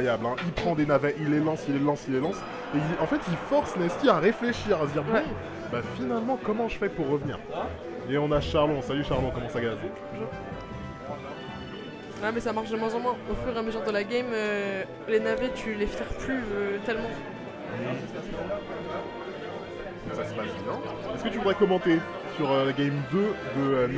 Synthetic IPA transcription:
jablɛ̃ʔilpχɑ̃d̪enavɛʔilːelɑ̃silːelɑ̃silːelɑ̃s | eiɑ̃fɛt̪ifɔʁsnɛskʲiaʁefleʃiʁad̪iʁbwɛ̃ | bafinalmɑ̃kɔmɑ̃ʒəfɛpuʁːəvnḭːʁ | eɔ̃naʃaʁlɔ̃ɔ̃salyʃaʁlɔ̃kɔmɑ̃saɡaze | ʒ | amɛsamaʁʃd̪əmwɛ̃zɑ̃mwɛ̃ofyʁeaməzyʁd̪əlaɡɛmø | lenavet̪ʰylefɛʁplyøt̪ɛlmɑ̃ | saspasbɛ̃mɛ̃ | sasəpasbjɛ̃ɛskət̪yvud̪ʁɛkɔmɑ̃t̪e | syʁølaɡʲɛmd̪ød̪əø

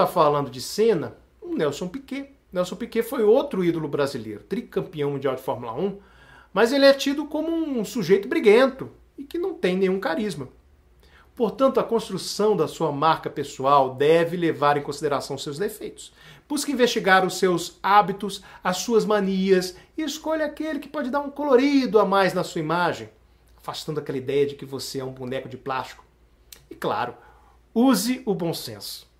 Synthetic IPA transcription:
t̪afalɐ̃nd̪ʊd͡ʒɪsẽnɐ | unɛwsõw̃pike | nɛwsõw̃pikefojowt̪ɾʊid̪ʊlʊbɾazilḛjɾʊt̪ɾikɐ̃piɐ̃w̃mũnd͡ʒiawd͡ʒɪfɔɾmula̰ũ | mɐzelɪɛt͡ʃid̪ʊkõmʊũsuʒejt̪ʊbɾiɡẽnt̪ʊ | ɪkɪnɐ̃w̃t̪ẽj̃nẽj̃ũkaɾizmɐ | poɾt̪ɐ̃nt̪ʊɐkõst̪ɾusɐ̃w̃d̪ɐsuɐmaɾkɐpesuawd̪ɛvɪlevaɾẽj̃kõsid̪eɾasɐ̃w̃ʊsewzd̪efejt̪ʊ̥sb̥uskɐĩvest͡ʃiɡaɾʊsːewzabit̪ʊsɐsuɐzmɐ̃niɐsɪeskoʎɐakelɪkɪ̥pɔd͡ʒɪd̪aɾũkoloɾid̪ʊamajznɐsuɐimaʒẽj̃ | afast̪ɐ̃d̪ʊakɛlɐid̪ɛjɐd͡ʒɪkɪvoseɛũbunɛkʊd͡ʒɪplast͡ʃi̥kʊ̥ | ɪkla̰ɾʊ | uzɪʊbõw̃sḛ̃sʊ̥

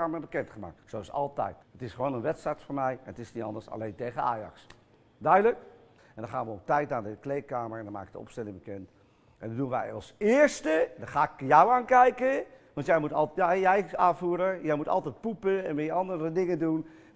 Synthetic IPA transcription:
aːməbəkɛntχəma̰ːk̚tsoɪsɑ̰lˠtɛ̰jtətɪsχəʋoːnənʋɛtsɛjtfoːɹmɛjɛnətɪsnitɑ̰ndəɹsa̰lejntejχəna̰ːjɑ̰ks | dœɥdələk | ɛndɑ̃nχaːnʋəɔptɛjt̚naːdəklejkaːməɹɛndɔnma̰ːkɪ̥k̚də̰ɔ̰pstɛlɪŋbəkɛnt | ʔɛ̰ndədunʋɛ̰jɑ̰lˠsɪːɹstədaχaːɪkjɔwaːnkɛjkəʋɑntjɛjmutɑljjɛjaːvuːɾəjɛjmutɑ̰lˠtɛjt̚pupəɛnʋɪnjəɑndəɾədɪŋəndun

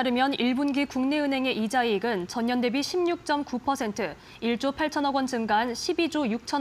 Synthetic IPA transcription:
aɾɯmjʌniɭbunɡikuŋne̞ɯnɦe̞ŋe̞ʔid͡ʑaiɡɯnt͡ɕʌɲɲʌnde̞biɕʰimɲuk̚t͡ɕ͈ʌmkupʰʌsʰe̞ntʰɯ | iɭt͡ɕ͈opʰaɭt͡ɕʰʌnʌɡwʌnd͡ʑɯŋɡanɕʰibid͡ʑojuk̚t͡ɕʰʌ

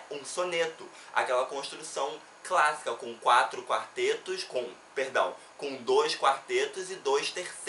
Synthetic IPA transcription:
ũsõnet̪ʊ | a̰kɛlɐkõʃt̪ɾusɐ̃w̃ | klasi̥kɐkõw̃kwat̪ɾʊkwaɾt̪et̪ʊskõ | peɾd̪ɐ̰̃w̃ | kõw̃d̪ojskwaɾt̪et̪ʊzɪd̪ojʃt̪eɾs

